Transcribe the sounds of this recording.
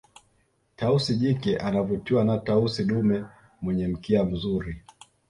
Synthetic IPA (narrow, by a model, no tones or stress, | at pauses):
tausiʄikɛʔanavutiwanatausiɗumɛ | mwɛɲɛm̩kiam̩zuɾi